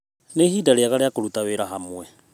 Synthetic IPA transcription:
neːɦiːdaɾeaɣaɾeakoɾutaweɾaɦamwɛ

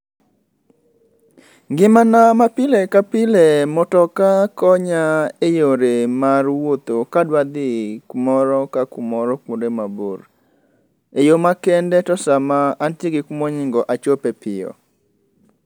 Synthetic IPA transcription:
ŋɡɪmanamapɪlekapɪlɛmɔtɔkakɔɲaejoɾemarwot̪okadwad̪ɪkmɔɾɔkakumɔɾɔkodemabo̰ɾ | ejomakɛndɛtɔsamaːntjeɡɪkmoɲɪŋɡɔʔat͡ʃopepɪ̰ɔ̰

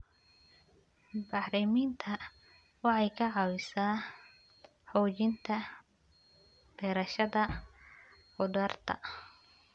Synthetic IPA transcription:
bɑħɾɪmiːnt̪ʰɐ | wɑħɑjkʰɐʕɑwɪsaː | ħɔːt͡ʃɪnt̪ʰɐ | b̥ɛːɾɐʃɐðɐ | ʊd̪ɐrt̪ʰɐ̰

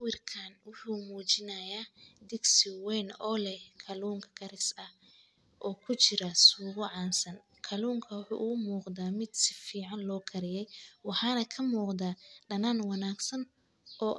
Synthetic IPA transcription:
wɪrkʰaːnwʊħuːmuːt͡ʃɪnɐjaːd̪ɪɡsɪwɛjnɔlɛkʰɐluːŋkʰɐ̥kʰɐɾɪsɐh | ʔɔːkʰʊt͡ʃɪɾɐsuːɣʊʕɑːnsɐn | kʰɐluːŋkʰɐwʊħṵːʔʊɣʊmuːqd̪aːmɪd̪sɪ̥fiːʕɑnlɔːkʰɐɾɪjɛjwɑħɑːnɐkʰɐmuːqd̪aːɖɐnaːnwɑnaːɡsɐn | ʔɔː

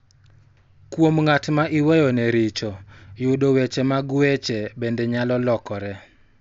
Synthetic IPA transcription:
kwomŋatmaʔɪwɛjɔnɛɾɪt͡ʃɔjʊdowet͡ʃɛmaɡwet͡ʃebendɛɲalɔlɔkɔɾɛ

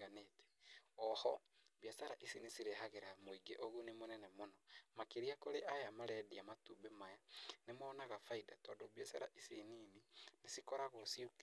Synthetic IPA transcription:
anetɛ̥ɔhɔβiasaɾaʔisinisiɾeɦaɣeɾamoiɡeʔoɣunemonɛnɛmonɔmakeɾiakoɾeʔajamaɾɛdiamatubemajanemɔːnaɣafaidatɔːndoβjasaɾaʔisiniːninesikɔɾaɣosiok

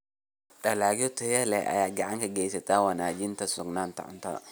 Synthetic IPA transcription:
ɗɐlaːɡɔt̪ʰɔjɐlɛ̰a̰jaːɡɐʕaŋkɐɡɛjsɐt̪ʰawɐnaːd͡ʒɪnt̪ɐsɔɡnaːnt̪ɐ̰ʕʊ̰nt̪ʰɐ̰

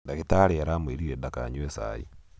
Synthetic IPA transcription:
daketaɾeaɾamweɾiɾedakaɲwesa̰ḭ

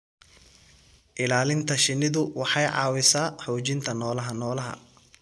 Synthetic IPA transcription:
ʔɪlaːlɪnt̪ʰɐʃɪnːɪðʊwɑħɑjʕɑ̰ːwɪsaːħɔːt͡ʃɪnt̪ʰɐnɔːlɐɦɐnɔːlɐɦɐ̰

